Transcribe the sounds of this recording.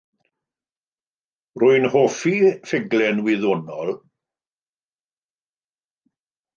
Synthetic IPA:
rʊɨnhoːfifɪɡlɛnwɪðoːnɔlˠ

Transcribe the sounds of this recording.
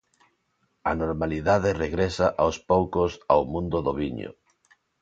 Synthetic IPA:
anoɾmaliðaðereɣɾesaʔawspowkosa̰wmũnd̪ʊðoβiɲo̰

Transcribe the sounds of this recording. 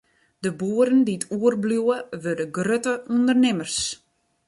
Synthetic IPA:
d̥əbuəɾəndiətʰuərbljuəʋødəɡrøtəundərnɪmərs

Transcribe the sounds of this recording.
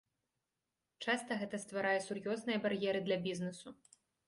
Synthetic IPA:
t͡ʂast̪ɐɣɛt̪ɐst̪vaɾajɛsurjɔznɨjɐbarjɛɾɨd̪lʲɐbʲiznɨsu

